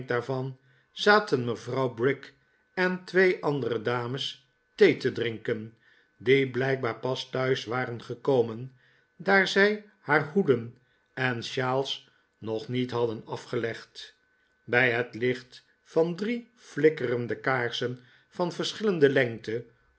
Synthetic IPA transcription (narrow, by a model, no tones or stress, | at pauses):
daːɹvɑn | z̥aːtənməvrɑwbrɪk | ɛntʋejʔɑndərədaːməs | tejtədrɪŋkən | diblɛjk̚baːɹpɑstœɥsʋaːrənχəkowmən | daːɹzɛj | haːɹɦudən | ɛnʃaːlˠs | nɔχnitɦɑdənɑfχəlɛχt | bɛjɦətlɪχt | fɑndri | flɪkərəndəkaːɹsən | fɑnvəɹsχɪləndəlɛŋtə